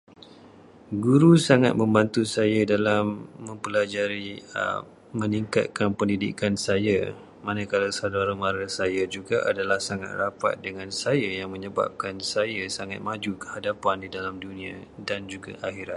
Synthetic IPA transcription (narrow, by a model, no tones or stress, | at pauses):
ɡuɾusaŋat̪̚mə̃mbant̪usajadalamːə̃mpəlad͡ʒaɾḭ | mə̃niŋka̰t̪̚kanpəndidḭkansaja | mãnə̃kalawsadaɾəmaɾasajad͡ʒuɡaʔa̰dalahsaŋa̰t̪̚rapa̰t̪̚dəŋãnsajajaŋmə̃ɲəba̰p̚kansajasaŋat̪̚mãd͡ʒukə̥hadapandidalamdunĩa̰dand͡ʒuɡa̰ʔaxiɾat̪̚